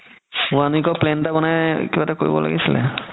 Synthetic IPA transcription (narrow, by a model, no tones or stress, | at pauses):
uanuikɔplentabɔna̰kibatakoɹḭbɔ̰la̰ɡisilɛ̰